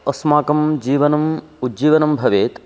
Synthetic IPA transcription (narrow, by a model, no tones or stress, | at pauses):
ɐsmaːkɐmd͡ʒiːʋɐnɐm | udd͡ʒiːʋɐnɐmbʱɐʋeːt̪